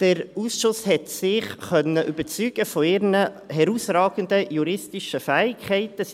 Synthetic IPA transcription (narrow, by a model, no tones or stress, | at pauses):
d̥əɾuːsʃʊshɛt̪sɪχχœnːəʔybət͡syːɡ̥əfoɪɾnə | ɦɛɾuːsrɑːɡ̥ənd̪əjuɾɪstɪʃəfæːɪkhɛɪtə